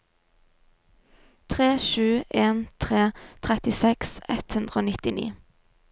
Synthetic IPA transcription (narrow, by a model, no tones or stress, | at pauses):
t̪ʰʁeːʃʉːʔeːnt̪ʰʁeːt̪ʰʁɛt̪ɪsɛksɛt̪hʉnd̪ʁəoːnɪt̪ɪnḭː